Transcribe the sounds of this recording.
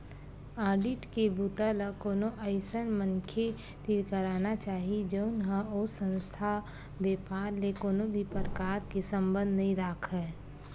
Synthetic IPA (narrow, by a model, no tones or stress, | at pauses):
aːɾɖiʈkebut̪ələkoːnoʔəɪsənmənkʰe | t̪iɾkəɾaːnat͡ʃaːɦid͡ʒəʊnɦəosə̃nst̪ʰa | beːpaːɾlekoːnobʱipəɾkaːɾkesə̃mbə̃nd̪əɦĩɾaːkʰɦɛː